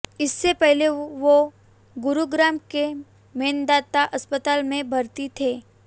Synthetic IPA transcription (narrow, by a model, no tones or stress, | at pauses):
ɪsːepɛɦleʋo | ɡʊɾuɡɾaːmke | mẽːnd̪aːt̪aʔɐspət̪aːlmẽbʱɐɾt̪it̪ʰeː